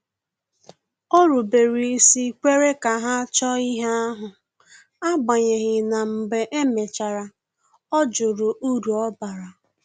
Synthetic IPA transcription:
ɔ˦ɾu˨be˨ɾi˨i˦si˦kʷe˦ɾe˦ka˨ɦa˦t͡ʃɔ˦i˦ɦe˦a˦ɦʊ˨ | a˦ɡ͡ba˨ɲe˨ɦɪ˨na˨m̩˨be˨ʔe˦me˨t͡ʃa˨ɾa˨ | ɔ˦d͡ʒʊ˨ɾʊ˨ʔu˦ɾu˨ɔ˦ba˨ɾa˨

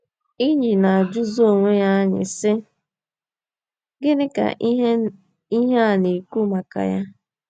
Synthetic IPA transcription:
i˦ɲi˨na˨a˨d͡ʒʊ˦zo˦o˨ŋʷe˦ja˦ɲɪ̰˨sɪ˦ | ɡɪ˦ɾɪ˦ka̰˨ | i˦ɦe˦a˨ni˨ku˦ma˨ka̰˨ja˦

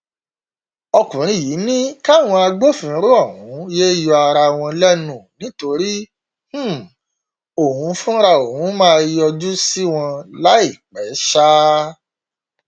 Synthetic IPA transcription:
ɔ˧kũ˨ɾ̃ĩ˧˦˨ji˨˦nĩ˦ka˦˨w̃ɔ̃˧a˧ɡ͡bo˦fĩ˨˦ɾo˦ɔ˦˨ɦũ˨˦je˦jɔ˧a˧ɾa˧w̃ɔ̃˧lɛ˦nũ˦˨nĩ˨˦to˧ɾi˦ | h̩˦ | o˨hũ˨˦fũ˦ɾa˧o˨hũ˨˦mãː˦˧i˧˦ɔ˧d͡ʒu˦si˦w̃ɔ̃˧la˦i˦˨k͡pɛ˨˦ʃa˦

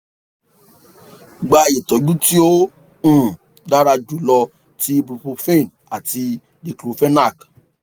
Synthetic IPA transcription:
ɡ͡ba˧˨je˨tɔ˨˦d͡ʒũ˦ti˦o˦ | ũ˦˨ | da˦ɾa˧d͡ʒu˨˦lɔ˧ | ti˧bu˨˧po˧fẽ˦˨n | a˨ti˧ | de˨klo˨˦fɛ˦na˦˨k

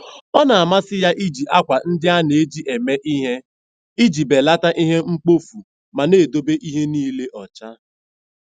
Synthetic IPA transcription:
ɔ˦na˨a˨ma˦sɪ˦ja˦ʔi˦d͡ʒi˨ʔa˦kʷa˨n̩˦dɪ˦a˦ne˨e˦d͡ʒi˦ʔe˨me˦ʔi˦ɦe˦ | i˦d͡ʒi˨be˨la˦ta˦ʔi˦ɦe˦ŋ͡m̩˦k͡po˦fu˨ | ma˨neː˦˨do˦be˦ʔi˦ɦe˦niː˦le˦ʔɔ˨t͡ʃa˦

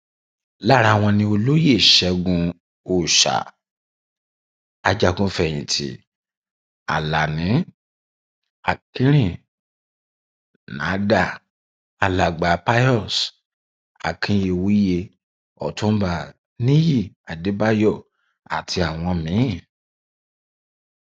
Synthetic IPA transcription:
la˦˨ɾa˧˨w̃ɔ̃˧nĩ˧o˧lo˦je˦˨ʃɛ˧˦ɡũ˧ | o˨ʃa̰˨ | a˨d͡ʒa˧ɡũ˧˦fɛ˦˨j̃ĩ˨tʰḭ˨ | a̰˨la˨nĩ˨˦ | a̰˨kĩ˦ɾ̃ĩ˦˨ | nã̰˨˦da˦˨ | a˨la˨ɡ͡ba˨˦pa˦ɔ˦˨s | a̰˨kʰĩ˨˧˦je˧˨wi˦je˧ | ɔ̰˨tũ˦ba˦˨ | nĩ˦ji˦˨ | a˨de˨˦ba˦jɔ˦˨ | a̰˨tʰi˧a˨w̃ɔ̃˧mĩ˨˦˨

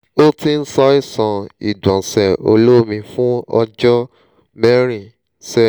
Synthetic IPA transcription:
o˦ti˧n̩˦sɔ˧i˦˨sɔ̃˧ḭ˨dɔ̃˨sɛ˨o̰˧lo˦˨mĩ˧fũ˦ɔ˧d͡ʒɔ˦ | mɛ˦ɾ̃ĩ˨ | sɛ˦˨

